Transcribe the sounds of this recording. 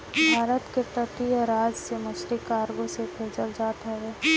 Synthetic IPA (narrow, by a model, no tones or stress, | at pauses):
bʱaːɾət̪kepəʈ̪iɔɾaːd͡ʒseməʃɾikaːɾɡõsebʰeːd͡ʒəld͡ʒaːt̪ɦɛʋeː